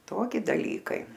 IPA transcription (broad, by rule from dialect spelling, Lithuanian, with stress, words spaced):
ˈtoːkʲɪ dɐˈlʲiːkɐɪ